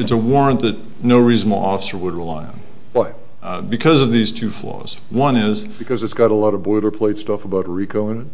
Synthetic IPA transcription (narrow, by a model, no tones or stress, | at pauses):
ɨtsəwɔɹə̃nðɨt̚ⁿ | noʊɹizn̩l̩ˠɔfə̥sə˞wəd̚ɹəlaɪə̰̃n | waɪ | bɨkʰʌzʌvðiz̥tʰʉflɔ̰z̥ | wʌ̃nɪz | b̥ɨkʰʌzɨtsɡ̥ɑɾəlɔɾʌbɔɪlˠə˞pʰl̥eɪtstʌfəbaʊt̚ɹikʰoʊɪ̃nɨt̚